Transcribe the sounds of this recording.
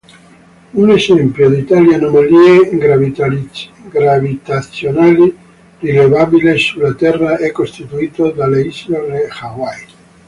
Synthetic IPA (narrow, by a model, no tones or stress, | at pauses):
unesɛmpjod̪it̪aljanomalieɡɾ | ɡɾavit̪asjonali | rilevabilesulat̪ɛrːaʔɛkːost̪it̪uiːt̪od̪aleisloɾexawaj